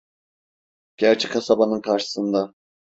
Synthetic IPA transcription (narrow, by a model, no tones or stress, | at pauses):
ɟ̥æɾt͡ʃʰɛkʰasabanɯnkʰaɾʃɯ̥sɯnd̪a